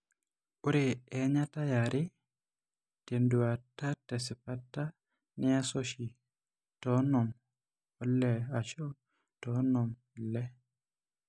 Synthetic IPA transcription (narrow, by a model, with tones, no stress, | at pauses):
u˦ɾeɛɲa˦ta˦jaɾʔi˦ | te˨ndu˨atːa˦te˨si˨pa˦tːa˦ | ni˦a˦soʃi˨ | tɔnɔ˨m | ɔ˨lɛ˨a˨t͡ʃɔ˦ | tɔnɔm | lɛ˦